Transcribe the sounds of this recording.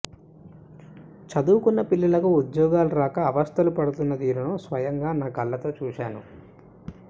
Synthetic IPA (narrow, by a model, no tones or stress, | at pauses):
t͡ʃɐd̪uːkunːɐpilːɐlɐkuud̪jɔːɡaːluɾaːkɐːʋɐst̪ʰɐlupɐɽut̪unːɐd̪iːɾunuːsʋɐjɐŋɡaːnaːɡɐlːɐt̪o̞ːt͡ʃuːʃaːnu